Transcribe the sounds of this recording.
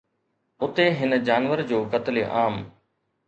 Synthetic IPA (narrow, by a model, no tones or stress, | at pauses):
ʊt̪eɦɪnəd͡ʑaːnʋəɾd͡ʑoːkət̪leʔaːm